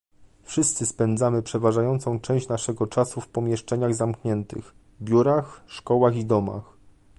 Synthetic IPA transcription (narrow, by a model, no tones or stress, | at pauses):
fʂɘst̪sɘspɛnd̪zamɘpʂɛvaʐajɔnt̪sɔ̃w̃t͡ʂɛ̃w̃ɕt͡ɕnaʂɛɡɔt͡ʂasufpɔmʲjɛʂt͡ʂɛɲaɣzamkɲɛnt̪ɘ̰x | bʲjuɾaxʂkɔwaɣid̪ɔma̰x